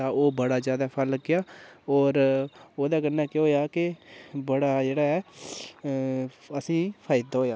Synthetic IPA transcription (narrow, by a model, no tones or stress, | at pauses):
ãːoːbəɽaːzjaːd̪aːpʰəlːəɡɪjaːɔːɾoːd̪aːkənːɛːkːɦoːjaːkɪbəɽaːd͡ʒeːɽaːɛː | əsĩːpʰaːɪd̪aːɦoːjaː